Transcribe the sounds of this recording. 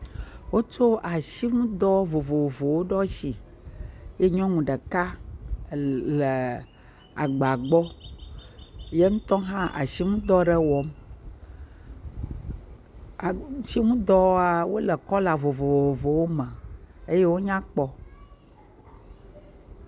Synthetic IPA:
wo˦t͡ʃo˦a˨ʃi˦ŋũ˦d̪ɔ˦vo˨vo˨vo˨wo˦ɖɔ˦si˨ | je˦ɲɔ̃˦mũ˨ɖə˨ka˦ | lə˨ | a̰˨ɡ͡ba˨ɡ͡bɔ˦ | je˦ŋũ˦t̪ɔ̃˦ɦã˦ʔa̰˨ʃi˦ŋũ˦d̪ɔ˦ɖə˦wɔ˨m˨˦ | ʃi˦ŋũ˦d̪ɔ˦a˦wo˦lə˨kɔ˦la˨vo˨vo˨o˨vo˨wo˦mɛ̃˨e˦je˦wo˦ɲã˦k͡pɔ˦

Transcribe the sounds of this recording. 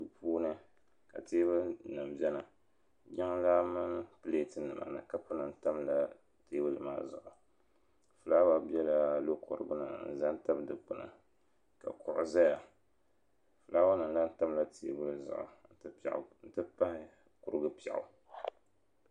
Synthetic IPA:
ɨ˨pʰuː˦nɨ˦ | ka̰˨teː˦bɨ˦lnɨ˨m˨bɛ˦nɨ˨ | ɡa˦ŋ˦la˦mɨ˦npɨ˦le˦˨tɨ˦nɨ˨ma̰˨nɨ̰˨ka˦pʊ˦nɨ˨n˦ta˦mla˦ | teː˦bɨ˦lma̰ː˦zʊ̰˨ʔʊ˨ | fɨ˨laː˦wa˦bi˦ɛ˦la˦lo˦kʊ̰˨ɾɨ̰˨bɨ˦nɨ̰˦˨n̩˨za˦n˦ta˦bdɨ˨k͡pʊ˨nɨ̰˨ | ka̰˨kʊ˨ʔʊ̰˨za˦ja˨ | fɨ˨laː˦wa˦nɨ˨n˦la˦n̩˦ta˦mla˦tʰeː˦bɨ˦lzʊ̰˨ʔʊ̰˨n̩˦tɨ˦pɛ̰˨ʔn̩˦tɨ˦pa˦hɪ˦ | kʊ˨ɾɨ˦ɡɨ˦pɛ̰˨ʔʊ̰˨

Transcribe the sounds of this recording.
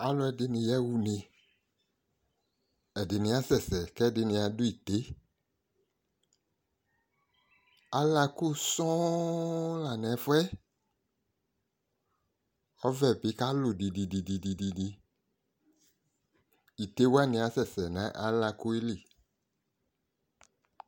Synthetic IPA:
a˨lʊ˦ɛ˨dɪ˨nɪ̃˨jɛ˦wu˨nɪ̃˨ | ɛ˨dɪ˨nɪ̃˨a˦sɛ˨sɛ˨kɛ˦˨dɪ˨nɪ̃˨a˨dʊ˦i˨t̪e˦ | a˦la˧kʊ˦sɔ̃˦ | la˨nɛ˨˦fɛ˦ | ɔ˦vɛ˨bɪ˨˦ka˦lʊ˨di˨di˨di˨di˨di˨di˨di˧ | i˨t̪e˦wa˦˨nɪ̃˧a˨˦sɛ˨sɛ˨nã˦ʔa̰˦la˧kʊ˦e˦li˦˨

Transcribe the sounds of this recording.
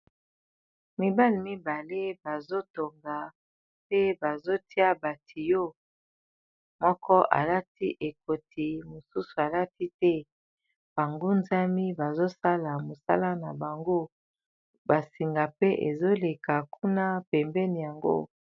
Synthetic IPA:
mi˨ba˦li˨mi˦ba˨le˦ba˨zo˦to˨ŋɡa˨ | pe˦ba˨zo˦ti˦a˦ba˨tʰi˨jo˦ | mɔ˦kɔ˦ʔa̰˨la˦ti˦ʔe˨ko˨ti˨mo˨su˦su˨a˨la˦ti˦tɛ˦ | b̥a˨ŋɡo˦nza˦mi˦ba˨zo˦sa˦la˨mo˨sa̰˦la˦na˨ba˨ŋɡo˦ | ba˨si˨ŋɡa˨pe˦ʔḛ˨zo˦le˨ka˨kʰu˦na˦pɛ˨mbɛ˦ni˨ja˨ŋɡo̰˦

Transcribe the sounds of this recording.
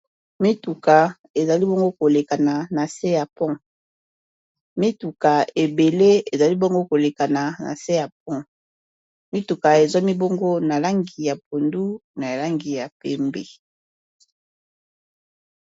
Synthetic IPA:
mi˦tu˨ka˨ | e˨za˨li˦bo˦ŋɡo˦ko˨le˨ka˨na˨na˨se˦ja˨pɔ̃˦ | mi˦tu˨ka˨e˨be˨le˦e˨za˨li˦bo˦ŋɡo˦ko˨le˨ka˨na˨na̰˨se˦ja˨p̚ɔ̃˦ | mi˦tu˨ka˨e˨zɔ˦mi˦bo˦ŋɡo˦na˨la˦ŋɡi˨ja˨p̚o˨ndu˦na˨la˦ŋɡi˨ja˨pɛ˨mbe˨

